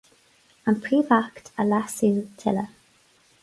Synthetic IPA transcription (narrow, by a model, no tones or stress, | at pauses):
ənpʰɹiːvaktʰəlasiutʰɛ̰lə